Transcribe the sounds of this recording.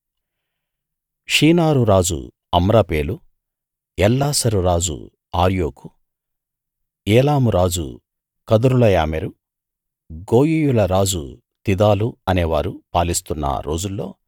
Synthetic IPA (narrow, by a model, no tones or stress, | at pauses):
ʂiːnaːɾuɾaːd͡ʒṵ | ɐmɾapeːlu | ɛlːaːsɐɾuɾaːd͡ʒṵ | aːɾjoːku | ɛːlaːmuɾaːd͡ʒṵ | kɐd̪uɾulɐjaːmeɾu | ɡo̞ːjijulɐɾaːd͡ʒṵ | t̪id̪aːluɐneːʋa̰ːɾupaːlist̪unːɐ̰ɾo̞ːd͡ʒulːo̞̰ː